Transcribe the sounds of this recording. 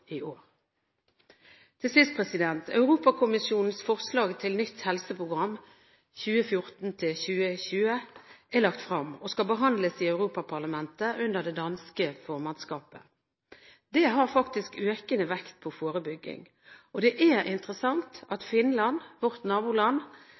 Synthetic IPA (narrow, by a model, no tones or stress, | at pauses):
ioːʁ | t̪ʰɪlsɪst̪̚pʰʁɛsɪd̪ɛnt̪ʰɑ̰ʉʁuːpɑkʰʊmɪsjuːnn̩sfɔʁslɑːɡt̪ʰɪlnʏt̪hɛlsəpʁʊɡʁɑmː | çʉːəfjʊʁt̪n̩t̪ʰɪlçʉːəçʉːəʔɛʁlɑkt̪fʁɑmɔskɑlbəɦɑnd̪ləsiœʉʁuːpɑpʰɑʁlɑmɛnt̪əʔʉnd̪əʁd̪ɛd̪ɑnskəfɔːʁmɑnskɑːpə̰ | d̪ɛːɦɑːʁfɑkt̪ɪskøːkənəʋɛkt̪̚pʰɔfoːʁəbʏɡːɪ̰ŋ | ʔɔd̪ɛʔæʁɪnt̪əʁəsɑŋt̪ɑt̪fɪnlɑnʋɔʁt̪nɑːbuːlɑn